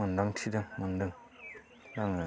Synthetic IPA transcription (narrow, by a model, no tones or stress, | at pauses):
ənd̪aŋtʰidəŋmənd̪əŋ | daŋ